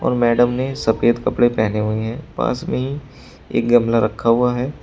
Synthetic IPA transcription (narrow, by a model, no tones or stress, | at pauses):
ɔ̰ːɾmɛːɖəmnesɐpeːd̪kɐpɽepɛɦneɦueɦɛ̃ːpa̰ːsmẽɦi | ḛːk̚ɡɐmlaɾɐkʰːaɦuaɦɛː